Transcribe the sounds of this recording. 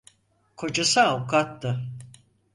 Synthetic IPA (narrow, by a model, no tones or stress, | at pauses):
kʰo̞d͡ʒasaokʰat̪ːɯ